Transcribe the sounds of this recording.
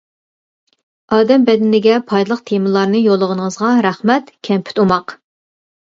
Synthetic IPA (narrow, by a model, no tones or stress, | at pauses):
ʔɑːd̪ɛmbɛd̪ɪnɪɡʲɛpʰɑjd̪ɨlˠəq̚t̪ʰemɨlˠɑɾnɨjolˠːəʁənəŋəzʁɑɾæχmɛt̪kʲʰɛmpʰy̥t̪umɑq